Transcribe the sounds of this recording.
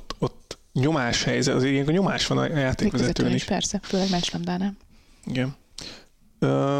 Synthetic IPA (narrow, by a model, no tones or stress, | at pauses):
t̪ːot̪ː | ɲo̞maːʃhɛjzɛt̪ɒzeːɾiɛŋkoɲo̞maːʃʋɒnɒ̰jaːt̪eːkʋɛzɛɛt̪øøːniʃpɛ̰rsɛføːlɛɡmɛt͡ʃlɛmd̪aːnɛm | iɡɛn | øː